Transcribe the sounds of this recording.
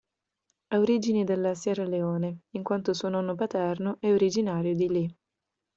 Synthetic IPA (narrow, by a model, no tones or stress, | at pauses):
aoɾid͡ʒinid̪elːasjɛːɾaleɔːneiŋkwant̪osuːonɔnːopat̪ɛrnoʔɛoɾid͡ʒinaːɾjod̪ili